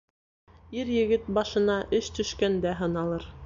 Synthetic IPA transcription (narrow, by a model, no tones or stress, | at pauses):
iɾjɘ̆ɡɘt̪̚bɑʃɤ̆nɑʔɘʃt̪ɵ̆ʃkænd̪æɦɤ̆nɑlˠɤɾ